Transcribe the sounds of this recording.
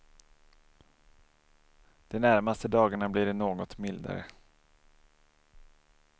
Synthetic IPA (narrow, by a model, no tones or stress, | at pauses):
d̪̥ɛnæɾmast̪əd̪ɑːɡaɳablɪːɖɛnoːɡɔt̪mɪld̪a̰ɾə̰